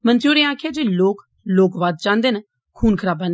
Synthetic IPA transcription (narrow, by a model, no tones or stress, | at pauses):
mənt̪juːɾẽːaːkʰeːd͡ʒeːloːk | loːkʋaːd̪̚t͡ʃãːnd̪eːn | kʰuːnkʰəɾaːbaːn